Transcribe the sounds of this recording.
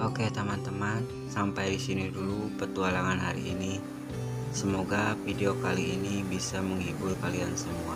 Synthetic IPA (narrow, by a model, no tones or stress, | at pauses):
ʔoket̪amant̪əman | sampajdisinidulupərt̪ualaŋanɦa̰ɾḭʔːni | səmoɡafideokaliːnibisaməŋibʊlkaliansəmua